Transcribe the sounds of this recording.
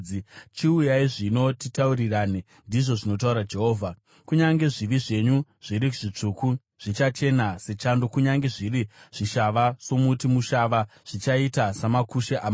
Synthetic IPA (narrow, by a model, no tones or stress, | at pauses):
it͡ʃiujaiʐino̞titaurirane | ndiʐo̞ʐino̞t̬auɾad͡ʒe̞ɦo̞ːvʱa | kuɲaŋɡe̞ʐiʋiʐe̞ɲu | ʐ̥iɾikuʐit͡ʂuːku | ʐ̥it͡ʃat͡ʃe̞nase̞t͡ʃando̞kuɲaŋɡe̞ʐiriʐ̥iʃaʋaso̞mutimuʃaʋaʐ̥it͡ʃaitasamakuʃeʔam